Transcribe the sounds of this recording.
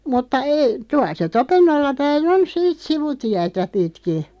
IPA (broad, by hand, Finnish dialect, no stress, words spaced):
mutːɑ ei tuɑl̆ se topenːolːɑ pæin on siːt siʋutiætæ pitki